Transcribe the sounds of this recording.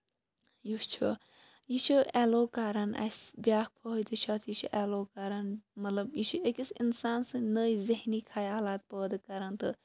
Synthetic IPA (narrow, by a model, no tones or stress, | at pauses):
just͡ʃʰu | jit͡ʃʰiɛloːkaɾɐnɐ̰sbiaːk̚pʰəɦt̪ɨt͡ʃʰɐːt̪ʰjit͡ʃʰiʔɛːloːkɐɾɐnmɐt̪lɐbjit͡ʃʰiekisinsaːnsɨ̃nəːiziɦniːkʰɐjaːlaːt̪̚pəːd̪kɐɾɐnt̪ɨ